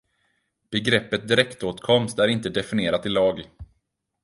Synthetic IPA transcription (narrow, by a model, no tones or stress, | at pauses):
b̥ɛɡɾɛpːət̪̚d̪ɪɾɛkt̪oːt̪kʰɔmst̪æɾɪnt̪əd̪ɛfɪnɪeːɾat̪ɪlɑːɡ